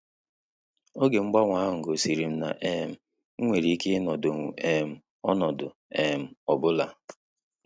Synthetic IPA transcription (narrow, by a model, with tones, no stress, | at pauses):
o˦ɡe˨ŋ͡m̩˦ɡ͡ba˦ŋʷaː˦˨ŋ̩˨ɡo˨si˨ɾi˨m̩˦na̰˨ʔe˦˨m̩˨ | ŋ̩˦ŋʷe˨ɾi˨i˦ke˦nɔ˨do˨ŋ˨e˨m̩˨ | ɔ˦nɔ˨dʊ̰˨ | e˨m̩˨ɔ˨bʊ˦la˨